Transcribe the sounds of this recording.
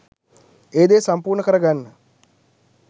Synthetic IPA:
eːd̪eːsampuːrɳəkəɾəɡanːə

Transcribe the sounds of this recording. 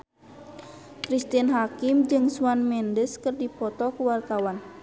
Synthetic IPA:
kɾist̪inɦakimd͡ʒɨŋsuwanmɛndəskərdipɔt̪ɔkuwart̪awan

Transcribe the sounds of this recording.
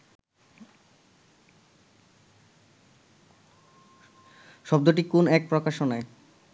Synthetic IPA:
ʃɔb̚d̪oʈ̬ikonɛk̚pɾokaʃonae

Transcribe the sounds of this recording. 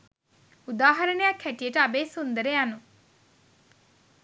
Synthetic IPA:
ud̪aːɦɐɾənəjakʰːæʈijəʈəabeːsund̪əɾejanu

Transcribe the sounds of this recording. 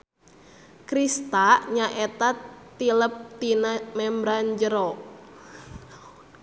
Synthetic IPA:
kɾist̪aʔɲaʔet̪at̪iləp̚t̪inamɛmbɾand͡ʒəɾɔ

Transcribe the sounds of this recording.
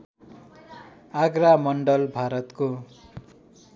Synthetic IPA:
aɡɾamʌɳɖʌlbʱaɾʌt̪ko

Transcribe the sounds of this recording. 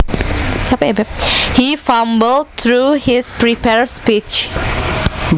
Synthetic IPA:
t͡ʃʰapebɛhifãmbəl̚t̪ɹuhispɹipɛɹspit͡ʃ

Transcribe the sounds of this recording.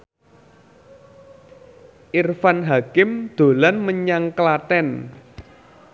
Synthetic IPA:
ʔirfanɦakɪmd̪̥o̤lanməɲaŋklat̪ɛn

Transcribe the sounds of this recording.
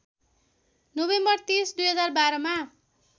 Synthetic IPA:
nobembʌrt̪isd̪ujɦʌd͡zarbaɾʌma

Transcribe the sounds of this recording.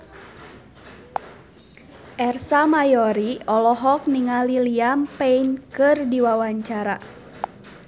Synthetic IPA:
ʔɛrsamajɔɾiɔlɔɦɔk̚niŋaliliampeinkɨrdiwawaɲt͡ʃaɾa

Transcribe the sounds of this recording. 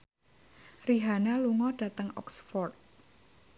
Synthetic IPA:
riɦanaluŋɔɖ̥a̤t̪əŋɔ̰ksfɔrt̪̚

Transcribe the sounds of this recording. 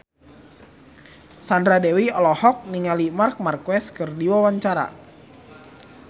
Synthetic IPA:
sandɾadɛwiɔlɔhɔk̚niŋalimark̚markwɛskərdiwɔwaɲt͡ʃaɾa̰

